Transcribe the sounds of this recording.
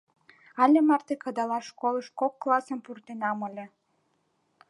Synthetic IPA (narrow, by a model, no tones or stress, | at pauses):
ɑlʲemɑrt̪ekɑd̪ɑlɑʃkoləʃkokːlɑsə̆mpurt̪enɑməlʲe